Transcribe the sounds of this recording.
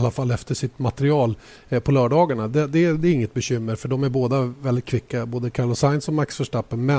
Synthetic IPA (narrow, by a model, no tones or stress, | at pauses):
lːafalːɛft̪əʂɪt̪mat̪ɛɾɪɑːl | pʰɔlœːɖɑːɡaɳad̪ɛd̪ɛd̪ɛɾɪŋːət̪̚bɛɕʏmːəɾfœɖɔmæɾboːd̪avɛlːɪt̪̚kʰvɪkːaboːd̪əkʰaɾlɔsaɪnsɔmaksfœʂʈapːənmɛ